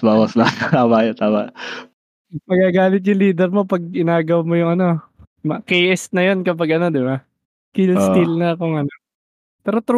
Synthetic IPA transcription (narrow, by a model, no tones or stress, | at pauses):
baːwɐsnat̪t̪aːmaʔjot̪aːmɐ̰ | mɐɡaːɡaːlɪt̪̬̚jʊŋliːd̪ɛɾmo̞pɐɡ̚ɪnaːɡɐwɐmo̞jʊŋɐno̞ | mɐkejʔɛst̪̚nɐjo̞nkɐp̬ɐɡʔɐno̞d̪ɪba | k̪ilst̪ilnɐɐkoŋɐno | pɛːɾo̞t̪ɾ